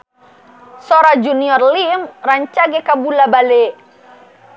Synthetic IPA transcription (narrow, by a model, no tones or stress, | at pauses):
sɔɾad͡ʒuniɔrlimraɲt͡ʃaɡɛkabulabale